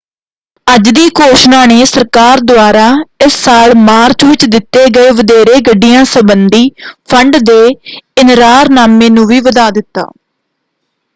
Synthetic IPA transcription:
əd͡ʒd̪iːkoːʃnaːneːsəɾkaːɾd̪oaːɾaːɪsːaːlmaːɾt͡ʃʋɪt͡ʃd̪ɪt̪ːeːɡəeːʋəd̪eːɾeːɡəɖijãːsəbənd̪iːpʰəɳɖd̪eːɪnɾaːɾnaːmẽːnũːʋiːʋəd̪aːd̪ɪt̪ːa̰ː

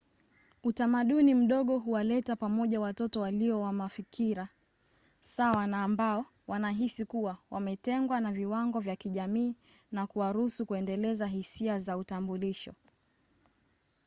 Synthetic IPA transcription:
utamaɗunim̩ɗɔɠɔɦuwalɛtapamɔʄawatɔtɔwaliɔwamafikʰiɾa | sawanaːmbaɔ | wanaɦisikuwawʔamɛtɛŋɡwanaviwaŋɡɔvjakiʄamiː | nakuwaɾuusukuɛndɛlɛzaɦisiazautambuliʃɔ̰

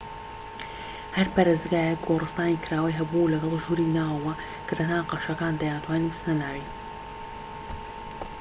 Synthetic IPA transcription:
hɐɾpaɾeːzd̪ɡaːjɛk̚ɡorˤɨst̪aːnikɪɾaːwɐjɦɐbulɐɡɐlˠʒuɾinaːwɐwɐ | kʰɐt̪ɐnaːqɑʃɐkaːnd̪ɐjaːnt̪ʰwaːninbɨsnɐnaːwi

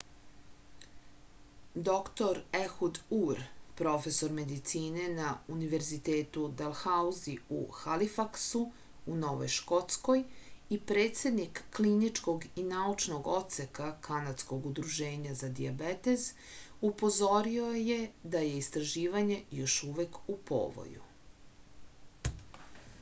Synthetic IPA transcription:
d̪o̞kt̪o̞ɾexud̪uɾpɾo̞fe̞so̞ɾme̞d̪it̪siːne̞nauniʋe̞ɾzit̪e̞ːt̪ud̪elˠxauziṵxalifaksu | uno̞ʋo̰jʃko̞t̪sko̞jipɾe̞ːt̪se̞d̪nikːlinit͡ʃko̞ɡinaut͡ʃno̞ɡo̞t̪se̞kakʰanad̪sko̞ɡud̪ɾuʒe̞ːɲazad̪iabet̪ez | upo̞zo̞ɾiojed̪ajeist̪ɾaʒiːʋaɲe̞jo̞ʃuʋekupo̰ːʋo̰jṵ

